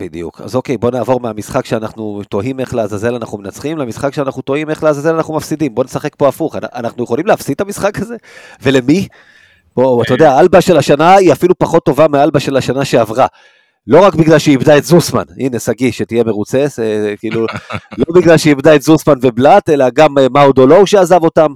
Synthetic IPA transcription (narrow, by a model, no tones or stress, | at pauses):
b̥id̪ḭjṵkʰa̰zo̞ke̞jbo̞naːvo̞ʁmeamisχakʃeanaχnut̪o̞ɦime̞χleazaze̞lanaχnumenat͡sχimleamisχakʃeanaχnuto̞ime̞χleazazelanaχnumafsidimbo̞ne̞saχe̞k̚po̞afuχanaʔa̰naχnujeχolimleafsit̪amisχakaze̞ve̞lemi | b̥o̞at̪ajodeaalbaʃelaʃanaiafilupaχo̞t̪ːo̞vamealbaʃe̞laʃanaʃeavʁa | lo̞ʁakbiɡlalʃeibdae̞tzusma̰nine̞saɡiʃetije̞meʁut͡se̞sekiːlulo̞biɡlalʃeibdaetzusmanve̞blate̞laɡamemaud̪olo̞wʃeazavo̞tam